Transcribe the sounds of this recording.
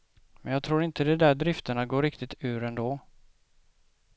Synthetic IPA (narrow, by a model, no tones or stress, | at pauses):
mɛnjɑːɡ̚t̪ʰɾuːɾɪnt̪əd̪ɛd̪æɖɾɪft̪əɳaɡoːɾɪkt̪ɪt̪ʰʉ̟ːɾɛnd̪oː